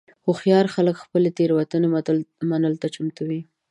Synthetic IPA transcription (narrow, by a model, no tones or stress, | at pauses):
xoxjɑɾxaləkxpəlet̪eɾwat̪unemanəlt̪at͡ʃʊmt̪awi